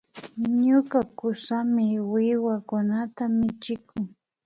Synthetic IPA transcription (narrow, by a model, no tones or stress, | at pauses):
ɲʊkakʊsamɪwɪwakʊnat̪amɪt͡ʃɪkʊŋ